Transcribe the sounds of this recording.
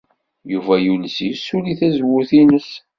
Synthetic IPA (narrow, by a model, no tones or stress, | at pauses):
juvæjuləsisːuliθæzwʊɾθinəs